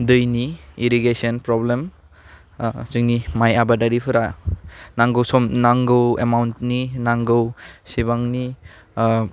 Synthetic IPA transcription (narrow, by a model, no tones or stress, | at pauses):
dɯjniiɾiɡesɔnpɾɔblem | zɯŋnimajabadaɾipʰɯɾanaŋɡɯwsɔmnaŋɡɯwḛmawntninaŋɡɯwsibaŋni